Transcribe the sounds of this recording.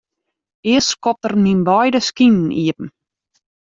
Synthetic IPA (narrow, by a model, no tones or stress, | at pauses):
ɪəskɔp̚tərminbɔjdəskinn̩iəpm̩